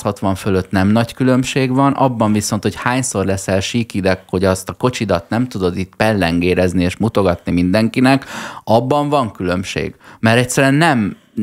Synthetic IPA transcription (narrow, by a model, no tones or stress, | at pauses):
shɒt̪ʋɒɱfølø̞t̪nɛmnɒckylø̞mʃeːɡvɒnʔɒ̰bːɒɱviso̞nt̪ho̞chaːɲso̞rlɛsɛlʃiːkid̪ɛkho̞ɟɒst̪ɒko̞t͡ʃid̪ɒt̪nɛmt̪ud̪o̞d̪iːt̪pɛlːɛŋɡeːɾɛznieːʃmut̪o̞ɡɒt̪nimind̪ɛŋkinɛkɒbːɒɱvɒŋkylø̞mʃḛːɡ̥mɛɾɛct̪sːɛɾyɛnːɛm